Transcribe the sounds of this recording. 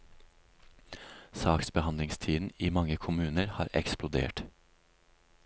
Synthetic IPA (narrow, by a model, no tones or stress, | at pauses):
sɑːksbəhɑnd̪lɪŋst̪ʰiːd̪n̩iːmɑŋəkʰʊmʉːnəɾhɑːɾʔɛ̰ksplʊd̪ḛːʈ